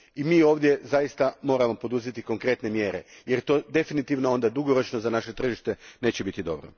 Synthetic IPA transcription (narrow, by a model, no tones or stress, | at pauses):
imiːo̞ːʋd̪ʲje̞zajist̪amo̞ːɾamo̞po̞d̪uzet̪iko̞ŋkɾe̞t̪ne̞mje̞ːɾe̞̰jeɾt̪o̞ːd̪e̞finit̪iʋnoo̞nd̪ad̪uɡo̞ɾo̞t͡ʃnozanaʃe̞t̪r̩ʒiʃt̪e̞ne̞ːt͡ɕebit̪id̪o̞̰bɾo̰